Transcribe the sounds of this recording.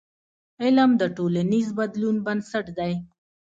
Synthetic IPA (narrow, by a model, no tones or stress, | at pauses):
ɪləmd̪əʈolanizbad̪lunbansaʈd̪aj